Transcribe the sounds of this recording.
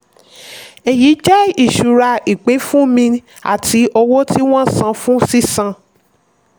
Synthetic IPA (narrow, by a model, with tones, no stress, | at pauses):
e˨ji˨˦d͡ʒɛ˦i˦˨ʃu˨ɾa˧i˨k͡pe˨˦fũ˦mĩ˧ | a̰˦˨tʰi˨˦ɔ˧wo˦ti˦w̃ɔ̃˦sã˧fũ˦si˦sã˧